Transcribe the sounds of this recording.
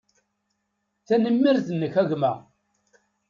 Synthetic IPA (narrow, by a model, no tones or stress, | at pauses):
θænəmːiɾzənːəçæʝmæ